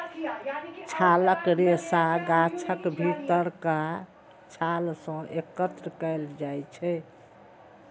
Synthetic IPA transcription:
t͡ʃʰaləkɾesaɡat͡ʃʰəkbʱit̪əɾka | t͡ʃʰalsə̃ʔekət̪ɾəkəɪld͡ʒajt͡ʃʰɛ

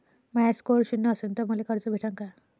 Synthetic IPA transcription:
majaskoɾɕunːəəsuːnt̪əməlekəɾt͡sobʱiʈʰə̃ŋka

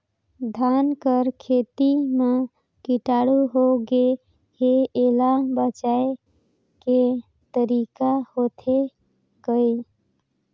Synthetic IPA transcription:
d̪ʱankəɾkʰet̪ime | kiʈaɽuɦoɡe | heelabət͡ʃae | ke | t̪əɾikahot̪ʰe | kəj

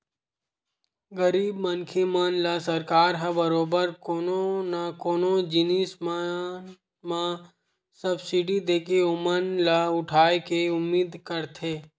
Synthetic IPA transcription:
ɡəɾiːbmənkʰemənlasɐɾkaːɾɦabəɾoːbəɾkoːnonakoːnod͡ʒɪniːsm | mã | səbsɪɖid̪eːkeʊmənlaʊʈʰaːekeʊmːiːd̪kəɾt̪ʰeː

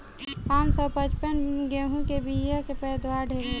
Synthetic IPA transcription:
pãːnsɔpət͡ʃpənɡeɦũkebijakepɛːd̪waɖʱel

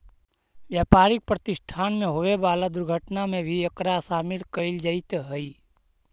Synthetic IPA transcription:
ʋjaːpaːɾɪk̚pɾət̪ɪʃʈʰaːnmẽɦoʋebaːlad̪ʊɾɡʱəʈnamẽbʱiəkɾasaːmɪlkəɪld͡ʒaɪt̪ɦəi

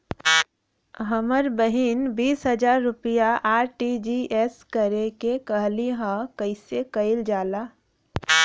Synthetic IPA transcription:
ɦəməɾbəɦinbiːsɦəd͡ʒaːɾːʊpijaʔaːɾʈid͡ʒiʔeskəɾekekəɦliɦãkəɪsekəɪld͡ʒaːlaː

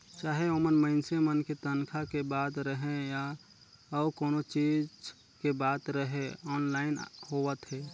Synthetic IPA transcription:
t͡ʃaːɦeomənməɪnsemənket̪ənkʰakebaːd̪ɾəɦẽja | əbkoːnot͡ʃiːd͡ʒ | kebaːt̪ɾəɦẽɔːnlaːɪnhoʋət̪ɦɛː

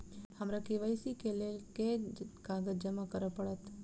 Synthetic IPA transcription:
həmɾãkiʋajsikelelkekaɡəd͡ʒəmãkəɾəpəɭət̪

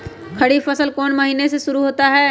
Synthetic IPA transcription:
kʰɐɽifɐsəlkɔːnmɐɦiːneseʃʊɾuɦoːt̪aɦɛː

